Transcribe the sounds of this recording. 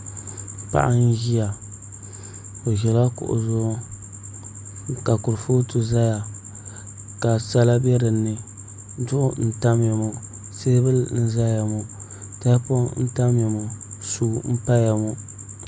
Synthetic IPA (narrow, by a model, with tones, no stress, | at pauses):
pa̰˨ʔa˦n˦ʒi˦ja˨ | o˨ʒɛ˨la˦kʊ̰˨ʔʊ̰˨zʊ˦ | ka˨kʊ˨ɾfo˦tu˨za˦ja˨ | ka˨sa˦la˦bɛ˦ɾɨ˨nːɨ˨ | dʊ˦ʔʊ˦n̩˦ta˦m˦ja˨mu˨ | seː˦bɨ˦lnɨ˦za˦ja˨mu˨ | ta˦po˦n̩˦ta˦m˦ja˨mu˨suː˦m̩˦pa˦ja˨mu˦